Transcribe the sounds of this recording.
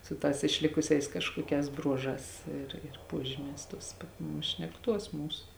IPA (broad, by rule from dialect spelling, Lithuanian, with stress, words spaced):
sʊ ˈtɑːs ɪʃʲˈlʲɪkʊsʲɛɪs ˈkɑːʃkuɔˌkʲɛːs ˈbruɔˌʒɑːs ˈɪr ɪr ˈpuɔʒʲɪmʲɛːs ˈtuɔs pɐt nʊ ʃʲnʲɛkˈtuɔs ˈmuːs